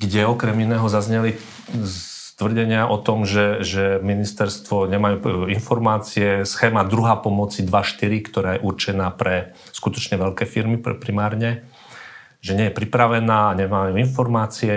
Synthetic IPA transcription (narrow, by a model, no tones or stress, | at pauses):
ɡɟɛɔkɾɛminɛːɦɔzazɲɛli | t̪ʋr̩ɟɛɲɪaʔɔt̪ɔmʒɛʒɛminist̪ɛɾst̪ʋɔɲɛmajuːinfɔɾmaːt͡siɛsxɛːmad̪ɾuɦaːpɔmɔt͡sid̪ʋaʃt̪iɾikt̪ɔɾaːjɛʔuɾt͡ʃɛnaːpɾɛ | skut̪ɔt͡ʃɲɛʋɛʎkɛːfiɾmipɾimaːɾɲɛ | ʒɛɲɛjɛpɾipɾaʋɛnaːaɲɛmajuːinfɔɾmaːt͡siɛ